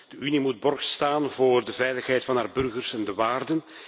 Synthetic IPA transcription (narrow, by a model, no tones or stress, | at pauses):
d̥əʔynimud̚bɔrxstaːnvoːrdəvɛjləxɦɛjtfɑnɦaːrbɵrɣərsɛndəʋaːrdən